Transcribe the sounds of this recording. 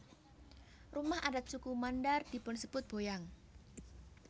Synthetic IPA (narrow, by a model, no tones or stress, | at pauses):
rumahadat̪̚t͡ʃukumandard̥i̤pʊnsəb̥ʊt̪̚b̥ojaŋ